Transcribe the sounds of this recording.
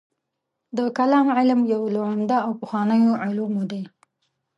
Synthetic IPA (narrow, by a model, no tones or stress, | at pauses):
d̪əkalɑmʕɪlmjawloʕand̪aawpəxwɑnəjoʕʊlumod̪e